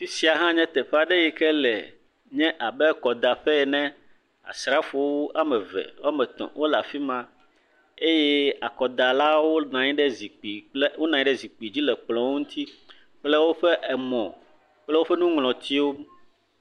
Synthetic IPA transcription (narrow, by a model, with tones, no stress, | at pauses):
fi˦si˦a˨ɦã˦ɲɛ̃˦t̪ɛ˨ɸa˦ɖɛ˦jɛ˨kɛ˦lɛ̰˨ | ɲɛ̃˦ʔa˨bɛ˦kɔ˨d̪a˨ɸɛ˦ɛ˨nɛ̃˦ | a̰˨sɾa˦fo˨wo˦a˨mɛ̃˨vɛ̰˨wa˦mɛ˨t̪ɔ̰̃˨wʔo˦la̰˨fi˦mã˦ | e˦jɛ˦a˨kɔ˨d̪a˨la˦wo˦nã˨ɲĩ˦ɖɛ˦zi˨k͡pi˨le˦wo˦nã˨ɲĩ˦ɖɛ˦zi˨k͡pi˨d͡ʑi˦lɛ˨k͡plɔ̃˨wo˦ŋũ˦t̪ʰi˦ | k͡plɛ˦wo˦ɸɛ˦ʔɛ˨mɔ̃˨ | k͡plɛ˦wo˦ɸɛ˦nũ˦ŋlɔ̃˨t̪i˦wo˦m